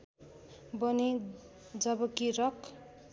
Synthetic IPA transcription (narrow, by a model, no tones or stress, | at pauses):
bʌni | d͡zʌbʌkiɾʌk